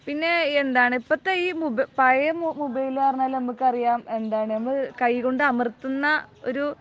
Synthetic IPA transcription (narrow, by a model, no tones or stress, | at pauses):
pinːe̞end̪aːɳɨipːɐt̪ːeiːmubpɐjɐmmubɐjilaːrnːaːlnɐmːukːɐrijaːme̞nd̪aːɳɨnɐmːɨkɐjɣo̞ɳɖɨɐmɐrt̪ːunːɐo̞̰ɾu